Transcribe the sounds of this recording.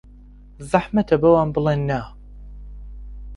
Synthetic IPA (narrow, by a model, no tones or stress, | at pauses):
zaħmɐt̪ʰɐbɐwaːnbɨlˠeːnːa